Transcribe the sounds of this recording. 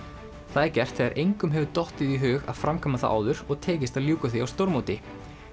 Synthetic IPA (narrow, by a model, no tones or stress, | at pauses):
θaðcɛr̥t̪θɛðaɾʔejŋkʏmɦɛvʏt̪ɔht̪ɪðiɦʏːɣa̰ðfɾamkʰaːmːaθa̰ʔa̰ːwðʏɾɔɣt̪ʰɛːcɪst̪aðljuːkaθiawst̪owɾmoːwt̪ɪ